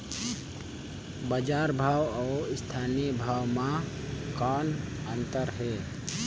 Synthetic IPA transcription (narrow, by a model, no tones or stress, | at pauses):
bəd͡ʒaːɾbʱaːwɔːɪst̪ʰaːniəbʱaːwmã | kaːnənt̪əɾɦe